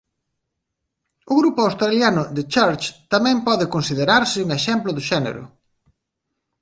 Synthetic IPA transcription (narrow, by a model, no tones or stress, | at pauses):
ʊɣɾupʊawst̪ɾaljanʊðɪt͡ʃaɾt͡ʃt̪amɛ̃mpɔðɪkonsiðeɾaɾsɪuŋeʃɛmplʊðʊʃɛnḛɾʊ̰